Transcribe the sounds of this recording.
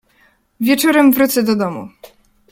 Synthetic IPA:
vʲjɛt͡ʂɔɾɛmvɾut̪sɛd̪ɔd̪ɔmṵ

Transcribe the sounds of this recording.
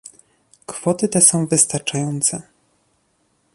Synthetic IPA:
kfɔt̪ɘt̪ɛsɔ̃w̃vɘst̪aɾt͡ʂajɔnt̪sɛ

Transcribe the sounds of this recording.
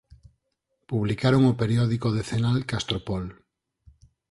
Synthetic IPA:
puβlikaɾoŋopeɾjoðikoðeθenalkast̪ɾopɔl

